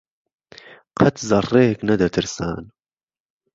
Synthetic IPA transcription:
qʰɐt̪zɐrːeːknɐd̪ɐt̪ʰɨɾsa̰ːn

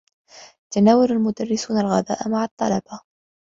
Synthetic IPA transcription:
t̪anaːwalalmʊd̪arːɪsuːnalɣaða̰ːʔmaʕɑt̪ˤːɑlɑba

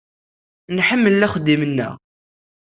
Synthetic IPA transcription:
nħəmːəlːæχəd̪ːimənːə̰ʁ

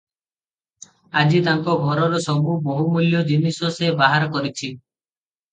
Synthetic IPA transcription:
ad͡ʒit̪aŋkɔɡʱɔɾɔɾɔsɔbuboɦumuljɔd͡ʒinisɔsebaɦaɾɔkɔɾit͡ʃʰi

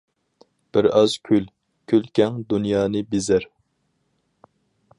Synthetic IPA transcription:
b̥ɪɾɑz̥kʲʰyl | kʲʰylkʲʰɛŋd̪unjɑːnɨbezæɾ

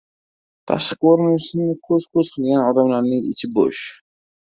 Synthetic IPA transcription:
t̪ʰa̰ʃqɨqoɾnsɪnakʲʰɵz̥kʲʰɵzqʰɨlˠɡʲanɒd̪amlaɾnɪŋɪ̰t͡ʃʰɪbo̰ʃ

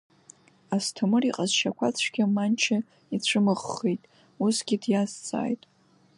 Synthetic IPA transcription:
astʰɨmɨriqʼazʃakʷʰat͡sʷʰɡ̥ʲamant͡ʃʰa | it͡ɕʷʰɨmɨʁːejtʼ | usɡʲɪdjazt͡sʼa̰ːjtʼ

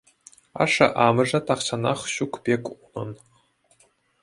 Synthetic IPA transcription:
ɑ̰ʂɑ̰ʔɑmɤ̆ʐɘ̆t̪ɑχɕɑnɑχɕukpʲekʲunɤ̆n

